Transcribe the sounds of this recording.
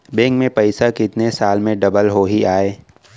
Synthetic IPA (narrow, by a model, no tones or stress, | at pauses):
bẽːŋkmẽpɐɪsakɪt̪nesaːlmẽɖɐbəlɦoɦiaːeː